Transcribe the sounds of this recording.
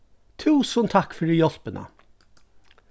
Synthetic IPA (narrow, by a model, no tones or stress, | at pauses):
t̪ʰʉːsənt̪ʰɑkfɔɖiːjɔlpənʔə̰